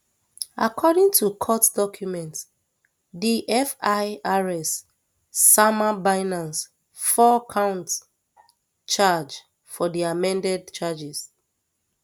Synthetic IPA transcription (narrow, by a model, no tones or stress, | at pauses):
a̰kʰɔdĩŋtʰukʰɔtdɔkʰjumɛ̃nt | diʔɛfaɪaɹɛsː | amabaɪnãns | fɔkʰãʊ̃nt | t͡ʃad͡ʒ | fɔdiamɛ̃ndɛd̚t͡ʃad͡ʒiz̥